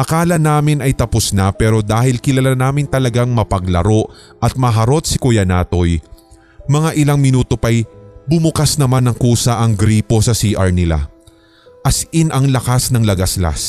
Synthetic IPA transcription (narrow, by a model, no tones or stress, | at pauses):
ʔɐkaːlɐnaːmɪnɐjt̪ɐpʊsnapɛːɾo̞d̪aːhɪlkɪlɐlanaːmɪnt̪ɐlɐɡaŋmɐpɐɡlɐ̰ɾo̞ʔʔɐt̪̚mɐɦɐɾo̞t̪̚sɪkʊjɐnaːt̪o̞j | mɐŋaʔɪlaŋmɪnuːt̪o̞pɐjbʊmʊkasnɐmanɐŋkuːsɐʔɐŋɡɾiːpo̞sɐsiːʔɐɹnɪla̰ | ʔɐsʔɪnɐŋlɐkasnɐŋlɐɡɐsla̰s